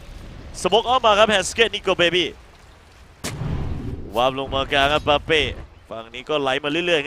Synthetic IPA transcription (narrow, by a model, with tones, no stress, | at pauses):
sa˧mo˦˥k̚ʔaː˥˩wmaː˧kʰa˦˥p̚hɛː˧˩skeː˦˥˩t̪̚niː˧koː˧˩beː˧˩biː˧˥˩ | waː˦˩p̚lo˧ŋmaː˧kaː˧kʰa˦˥p̚ːaː˧peː˧˥˩ | fa˧ŋniː˦˥kɔː˥˩la˨˦˥jmaː˧lɯ˥˩˨lɯ˥˩əj